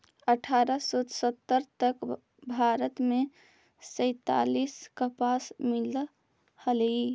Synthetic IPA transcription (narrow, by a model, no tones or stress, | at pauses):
əʈʰaɾəsot̪sət̪ːəɾt̪ək | bʱaɾət̪me | sə̃ɪt̪a̰liskəpasmil | həli